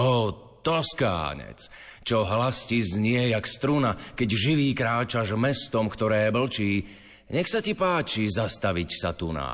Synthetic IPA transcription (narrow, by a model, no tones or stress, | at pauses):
ɔː | t̪ɔska̰ːɲɛ̰t͡s | t͡ʃɔɦlascizɲɪɛjakst̪ɾunakɛɟʒiʋiːkɾaːt͡ʃaʒmɛst̪ɔmkt̪ɔɾɛːbl̩t͡ʃiː | ɲɛxsacipaːt͡ʃizast̪aʋicsa̰t̪una̰